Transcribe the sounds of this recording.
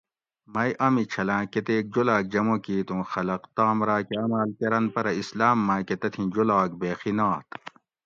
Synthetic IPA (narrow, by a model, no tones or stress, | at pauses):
mɐjʔɐmit͡ɕʰɐlãːket̪eːk̚d͡ʑolaːk̚d͡ʑɐmokiːt̪ũːxɐlɐqt̪aːmɾaːkeɐmaːlkɐɾɐnpɐɾɐislaːmːãːket̪ɐt̪ʰĩd͡ʑolaːkbeːxinaːt̪